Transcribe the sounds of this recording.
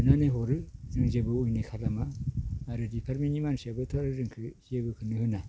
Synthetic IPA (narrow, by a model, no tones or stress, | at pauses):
ɯnaneɦɔɾɯzɯŋzebɯujnekʰalamaː | ɾɯdipʰaɾmenimansiabɯtʰɔɾɯɾɯŋkʰɯhiebɯkʰɯnɯhɯna